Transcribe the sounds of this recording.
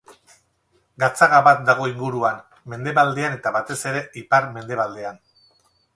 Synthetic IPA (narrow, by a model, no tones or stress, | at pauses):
ɡat͡saɣaβat̪̚d̪aɣ̞o̞iŋɡuɾuan | me̞nd̪e̞βald̪e̞ane̞t̪aβat̪e̞se̞ɾe̞ipaɾme̞nd̪e̞βald̪e̞an